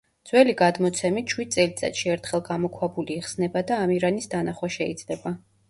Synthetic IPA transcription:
d̪z̥wɛliɡad̪mɔt̪sʰɛmit̪ʃwid̪̚tsʼɛlit̪sʼa̰t̪ʃiɛɾt̪ʰχɛlˠɡamɔkʰwabuliːχsnɛbad̪aːmiɾanisd̪anaχwaʃɛid̪z̥lɛba

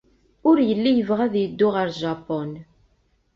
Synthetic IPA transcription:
ʊɾjəlːijəvʁæðjəd̪ːʊʁəɾʒɑpɔn

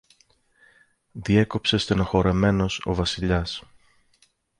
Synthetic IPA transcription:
ðie̞ko̞pse̞st̪eno̞xo̞ɾe̞me̞no̞so̞̰vɐsiʎɐs

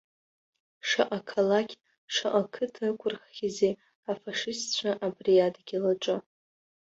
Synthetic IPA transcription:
ʂaʔakʰalakʲ | ʂaʔakʰɨtʰakʷʰʼʊrχːʲize | afaʂɪstt͡ɕʷʰaʔabrijadɡʲilaʈ͡ʂʼɨ

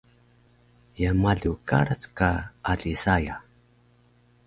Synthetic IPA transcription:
jamaɮuka̰ɾat͡skaʔːɮisaja

